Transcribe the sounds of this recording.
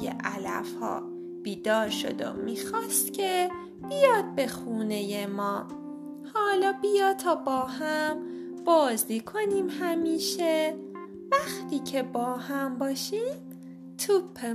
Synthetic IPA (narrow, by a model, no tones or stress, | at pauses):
jḛʔælæ̰fhɒ̰ː | b̥iːd̪ɒːɾʃo̞̰d̪o̰miːxɒːst̪cʰe̞ | b̥ijɒːd̪̥̚be̞xuːne̞jemɒː | hɒːlɒːbijɒːt̪ʰɒːbɒːɦæm | b̥ɒːzd̪ikʰo̞niːmhæmiːʃe | væxt̪ʰiːcʰe̞bɒːhæmbɒːʃiːm | t̪ʰupʰːe